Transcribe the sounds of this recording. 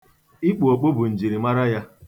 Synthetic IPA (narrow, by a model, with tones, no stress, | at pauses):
i˦k͡pu˨o˨k͡po˦bʊ˨n̩˨d͡ʒi˨ɾi˨ma˦ɾa˦ja˦